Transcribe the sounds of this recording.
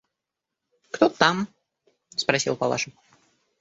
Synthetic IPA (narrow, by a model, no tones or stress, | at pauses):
kt̪ot̪am | spɾɐsʲḭlˠpɐlˠa̰ʂə